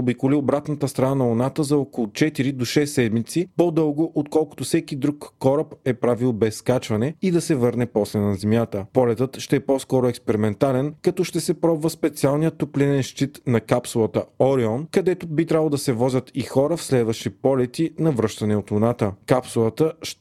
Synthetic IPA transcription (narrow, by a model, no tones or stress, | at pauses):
obikoliobɾat̪nət̪əst̪ɾɐnanɐʊnat̪əzɐɔkolˠʊt͡ʃɛt̪iɾid̪oʃɛsːɛd̪mit̪sipɔd̪ɤlˠɡoʔot̪kɔlˠkʊ̥t̪ʊfsɛkid̪ɾukːɔɾəpɛpɾavilˠbɛsːkat͡ʃvɐnɛid̪ɐsɛvɤɾnɛpɔslɛnɐzɛmjat̪əpɔlɛt̪ət̪ʃt̪ɛɛpɔskɔɾʊɛkspɛɾimɛnt̪alɛnkɐt̪ɔʃt̪ɛsɛpɾɔbvəspɛt̪sialˠnijət̪ːoplinɛnʃt̪it̪nɐkapsulˠət̪əɔɾiɔnkɐd̪ɛt̪obit̪ɾʲablˠod̪ɐsɛvɔzʲət̪ixɔɾəfslɛd̪vɐʃt̪ipɔlɛt̪inɐvɾɤʃt̪ɐnɛot̪ʊnat̪əkapsulˠət̪əʃ